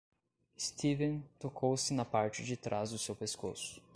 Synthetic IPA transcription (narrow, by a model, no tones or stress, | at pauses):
ɪst̪ivẽnt̪okʰowsɪnɐpaɾt͡ʃɪd͡ʒɪt̪ɾʔazd̪ʊsewpesko̰sʊ̥